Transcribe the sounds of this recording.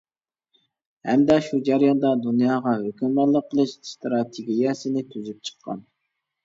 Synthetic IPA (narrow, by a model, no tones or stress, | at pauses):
hɛmd̪ɛʃud͡ʒæɾjɑnd̪ɑd̪unjɑːʁɑɦøkʲymɑlˠəqʰːəlˠɨʃst̪ɾɑt̪ʰɪɡʲijɛsɪnɪt̪ʰyzyp̚t͡ʃʰə̥qʰːɑ̰n